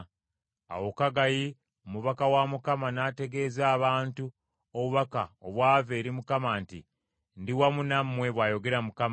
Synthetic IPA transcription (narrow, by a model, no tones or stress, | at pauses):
a̰wo̞kaɡaji | omuβakawamukamanaːte̞ɡe̞ːzaːβaːntu | oβuβakaoβwaːveːɾimukamantḭ | ndiwamunamːwe̞βwajo̞ɡe̞ɾamukam